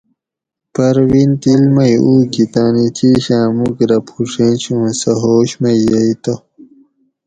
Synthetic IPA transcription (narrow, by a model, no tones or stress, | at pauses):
pɐɾwint̪ilmɐjuːɡit̪aːnit̪ʰiɕãːmukɾɐpʰuʂẽːnt͡ɕʰõːsɐɦoːɕmɐjːɐit̪ɐ